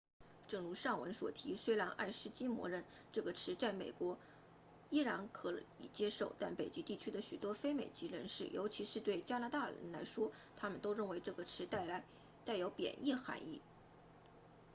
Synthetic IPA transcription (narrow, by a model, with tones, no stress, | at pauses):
ʈ͡ʂɤ˥˩ŋɻu˧˥ʂɑ˥˩ŋwə̰˧˥nswɔ̰˨˩t̪ʰi˧˥ʂwe˥la˧˥nʔa̰˥˩ɪʂɻ̩˥˧t͡ɕi˥mwɔ̰˧˥ɻə˥˩n | ʈ͡ʂɤ˥˩ɡə˩ʈ͡ʂʰɻ̩˧˥t͡sa˥˩ɪme˨˩ɪkwɔ˧˥ | i˥ɻa˧˥nkʰɤ˧˥lḭ˨˩t͡ɕjɛ˥ʂo˥˩ʊt̪a˥˩npe˨˩ɪt͡ɕi˥t̪i˥˩t͡ɕʰy˥d̪ə˨ɕy̰˨˩t̪wɔ˥fe˥ɪme˨˩ɪt͡ɕi˧˥ɻə̰˧˥nʂɻ̩˥˩jʔo̰˧˥ʊt͡ɕʰi˧˥ʂɻ̩˥˧t̪we˥˩ɪt͡ɕja˥na˧˥t̪a˥˩ɻə̰˧˥nla˧˥ɪʂwɔ˥ | t̪ʰa˥mə˨nt̪o˥ʊɻə˥˩nwe˧˥ɪʈ͡ʂɤ˥˩ɡə˩ʈ͡ʂʰɻ̩˧˥t̪a˥˩ɪla˧˥ɪ | t̪a˥˩ɪjo˧˥ʊpjɛ̰˨˩nʔi˥˩xa̰˧˥nḭ˥˩